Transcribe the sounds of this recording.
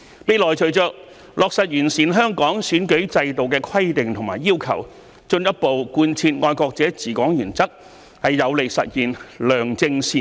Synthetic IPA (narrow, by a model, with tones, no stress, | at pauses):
pe˨˧jlɔː˨jt͡ʃʰɵ˨˩ɥt͡ʃœː˧k̚ | lʔɔː˨k̚sɐ˨t̚jyː˨˩nsiː˨nɦœː˥ŋkɔː˨˥ŋsyː˨˥nkɵ˨˥ɥt͡sɐ˧jt̪o˨wkɛː˧kʰɐ˥jt̪ɪ˨ŋt̪ʰʊ˨˩ŋmaː˨˩jːiː˥wkʰɐ̰˨˩w | t͡ʃɵ˧njɐ˥t̚po˨wkuː˧nt͡sʰiː˧t̚ŋɔː˧jkɔː˧k̚t͡sɛː˨˥t͡siː˨˩kɔː˨˥ŋjyː˨˩nt͡sɐ˥k̚ | hɐ˨jːɐ˨˧wle˨˩sɐ̰˨t̚jiː˨nlœː˨˩ŋt͡sɪ˧ŋsiː˨˩